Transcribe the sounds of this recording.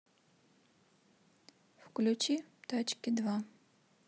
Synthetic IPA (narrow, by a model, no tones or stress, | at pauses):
fklʲut͡ʃit̪ɔt͡ʃkʲid̪va